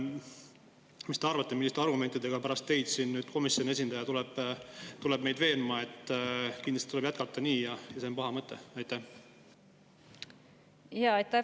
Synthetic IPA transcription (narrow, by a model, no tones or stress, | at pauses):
mist̪e̞ɑrvɑt̪ːemilːist̪e̞ɑrɡume̞nʲt̪id̪e̞ɡ̥ɑpæɾɑst̪ːe̞jd̪siːnnyːd̪̥ko̞misjo̞ne̞s̬ʲind̪ɑjɑt̪ulɛb̥t̪ulɛb̚me̞jd̪ve̞ːnmɑe̞t̪ːˑkind̪lɑst̪i̥t̪ulebjæt̪̚kɑt̪ˑːɑniːjɑjɑsempɑhɑmɤt̪ːˑe̞̰ɑjt̪ːæh | jɑɑjt̪ːæ